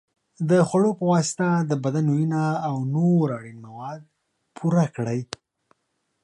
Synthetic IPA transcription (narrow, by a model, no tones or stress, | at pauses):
d̪əxwaɽopəwɑsɪ̥t̪ad̪əbad̪anujinaːwnoɾaɽinmawɑd̪̚ | pʰuɾakɽəj